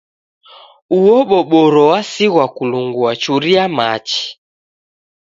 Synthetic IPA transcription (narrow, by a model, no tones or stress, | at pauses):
uwɔɓɔɓɔɾɔwasiɣwakuluŋɡuat͡ʃuɾiamat͡ʃi̥